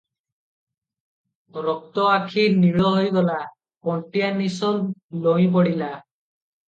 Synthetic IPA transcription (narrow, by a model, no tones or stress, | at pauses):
ɾɔk̚t̪ɔakʰiniɭɔɦojɡɔla | kɔɳʈijanisɔllowip̬ɔɽila